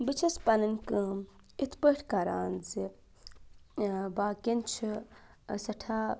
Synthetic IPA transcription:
bit͡ʃʰɐspɐnɐnkɨm | it̪ʰpəʈʰkaɾaːnzi | baːkint͡ʃʰi | sɐʈʰaː

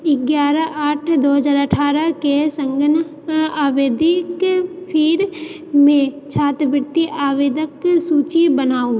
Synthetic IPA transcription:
ɪɡjaːɾəʔaːʈʰd̪oːɦəzaːɾəʈʰaːɾəkesə̃ŋɡən | aːʋeːd̪ɪkpʰiːɾ | mẽt͡ʃʰaːt̪bɪɾt̪iʔaːʋeːd̪əksuːt͡ʃibənaːo

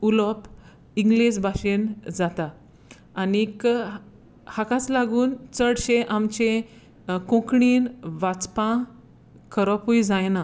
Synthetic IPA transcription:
ulɔp | iŋɡlesbʱaɕend͡zat̪aː | nik | hakãt͡slaɡuːnt͡səɽɕeʔamt͡ɕẽ | kõkɳiːnʋat͡spã | kəɾɔpujd͡zajna

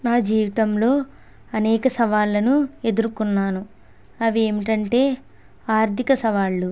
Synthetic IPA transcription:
naːd͡ʒiːʋit̪ɐmlo̞ː | ɐnɛːkɐsɐʋaːɭːɐnue̞d̪uɾukunːaːnu | ɐʋie̞ːmiʈɐɳʈe̞ː | aːɾt̪ikɐsɐʋaːɭːu

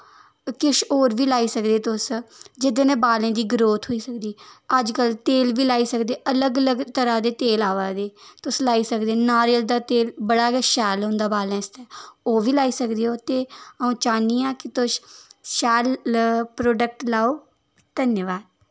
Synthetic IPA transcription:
kɪʃoːɾʋiːlaːiːsəkd̪eːt̪ʊsd͡ʒɪd̪eːnẽːbaːlẽːd̪iːɡɾoːt̪ɦoːiːsəkd̪iːəd͡ʒkəlt̪eːlʋiːlaːiːsəkd̪eːələɡələɡt̪əɾaːd̪eːt̪eːlaːʋaːd̪eːt̪ʊslaːiːsəkd̪eːnaːɾeːəld̪aːt̪eːlbəɽaːkɛːʃɛːlõnd̪aːbaːlɛ̃ːɪst̪ɛːoːʋiːlaːiːsəkd̪eːoːt̪eːəũːt͡ʃaːniːaːkɪt̪ʊʃʃɛːlpɾoːɖək̚ʈlaːoː | d̪̥ənjəʋaːd̪̚

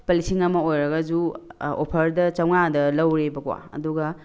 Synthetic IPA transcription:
pɐlisiŋɐmɐojɾɐɡɐd͡ʒuopʰɐɾdɐt͡ʃɐwŋadɐlɐwɾebɐkwa̰ɐ̰duɡɐ

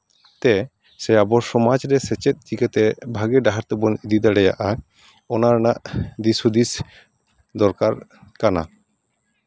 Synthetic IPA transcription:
t̪ɛ | sɛabɔɾsɔmad͡ʒɾɛsɛt͡ʃɛt̪̚ˀd͡ʒikat̪ɛbʱaɡɛɖaɦaɾt̪ɛbɔnid̪id̪aɽɛja̰ʔa | ɔnaɾnaʔd̪isud̪is | d̪ɔɾkaɾkana̰

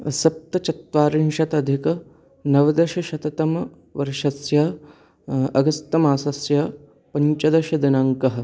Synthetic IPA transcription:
sɐp̚t̪ɐt͡ʃɐt̪ʋaːɾinʃɐt̪ɐd̪ʱikɐ | nɐʋɐd̪ɐʃɐʃɐt̪ɐt̪ɐmɐ | ʋɐɾʃɐsjɐ | ɐɡɐst̪ɐmaːsɐsjɐ | pɐɲt͡ʃɐd̪ɐʃɐd̪inɐŋkɐɦɐ̆

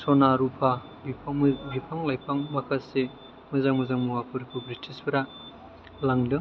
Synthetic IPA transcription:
sonaɾupʰa | bipʰbipʰaŋlajpʰaŋmɐkʰase | mɐzaŋmɐzaŋmuwapʰuɾipʰubɾitʰispʰiɾa | laŋdɯ

